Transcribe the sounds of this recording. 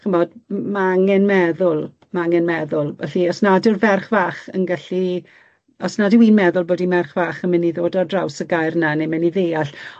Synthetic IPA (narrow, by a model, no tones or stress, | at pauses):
χəmɔdmaaŋɛnmɛðʊlˠ | maaŋɛnmɛðʊlˠvɛ̰ɬiɔsnadɪrvɛrχvaːχə̰nɡaɬi | ɔsnadɪwiːnmɛðʊlˠboːdimɛrχvaːχəmɪnːiðoːdɔdrawsəɡajrnanemɛniðeːaɬ